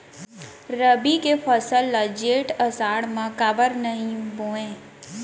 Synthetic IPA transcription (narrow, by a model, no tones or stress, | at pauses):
ɾəbikepʰəsəlːad͡ʒeːʈəsaːɽmãkabəɾnəɦĩbõːẽː